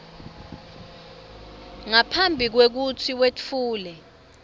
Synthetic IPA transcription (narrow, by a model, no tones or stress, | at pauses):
ŋapʰambʱik̬wek̬ut͡sʰiwet͡fuːlɛ